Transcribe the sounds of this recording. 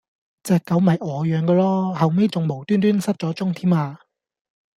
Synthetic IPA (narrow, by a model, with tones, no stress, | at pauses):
t͡sɛː˨kːɐ˨˥wmɐ˨jɔː˨˧jœː˨˧ŋkɔː˧lɔː˥hɐ˨wme˥jt͡sʊ˨ŋmo˨˩wt̪yː˥nt̪̬yː˥nsɐ˥t̚t͡sɔː˨˥t͡sʊ˥ŋt̪ʰiː˥maː˧